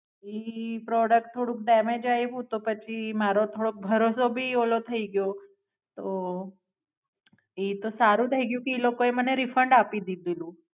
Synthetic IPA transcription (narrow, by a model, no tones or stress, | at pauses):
ipɾɔɽək̚ʈ̚t̪ʰːoɽũk̚ɖɛmed͡ʒajbũt̪opət͡ʃʰimaɾot̪ʰoɽok̚bʱəɾosobʱiolot̪ʰəiɡjo | t̪o | it̪osaɾũd̪ʰʱəiɡjũkiilokoeməneɾifəɳɖapid̪id̪ilũ